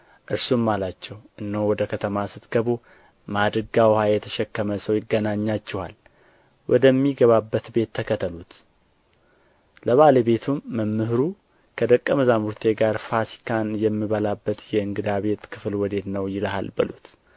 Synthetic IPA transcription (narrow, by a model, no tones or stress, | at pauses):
ʔɨɾsumːalat͡ʃːɛwʔɨnːəwwɔd̪əkʰət̪ʰəmasɨt̪ɡ̥əβo | mad̪ɾɨɡawhajɛt̪ʰəʃɛkːəməsəwjɪɡənaɲːat͡ʃːɛha̰l | wʔɔd̪əmːiɡəβabːət̪be̞t̪ʰːəkʰət̪ʰəlut̪ | ləβaləβe̞t̪ʰumːəmːɨhɾu | kʰəd̪əkʼːəməzamuɾt̪ʰe̞ɡaɾfasi̥kʰanjɛmːiβəlabːət̪jɛɨŋɡɨd̪aβe̞t̪kʰɨ̥flwɔd̪e̞t̪nəwjɪləha̰lbɨlṵt̪